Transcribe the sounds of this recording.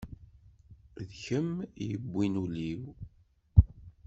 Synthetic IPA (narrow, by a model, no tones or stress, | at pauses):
ðçəmjəbʷːinuliw